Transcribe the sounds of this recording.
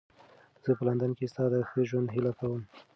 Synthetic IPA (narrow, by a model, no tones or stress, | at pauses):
z̥əpəland̪ənkest̪ɑd̪əxəʒwand̪ɦɪlakawəm